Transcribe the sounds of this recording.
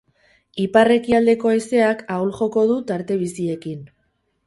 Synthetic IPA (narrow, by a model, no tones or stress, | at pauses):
ipare̞kiald̪e̞ko̞ajse̞akawlʝo̞ko̞ð̞ut̪aɾt̪e̞β̞isie̞kin